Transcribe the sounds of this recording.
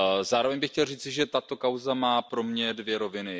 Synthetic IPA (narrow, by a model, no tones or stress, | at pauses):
zaːɾo̞vɛɲbɪxcɛlriːt͡sɪʒɛt̪at̪o̞kawzamaːpɾo̞mɲɛdvjɛɾo̞vɪnɪ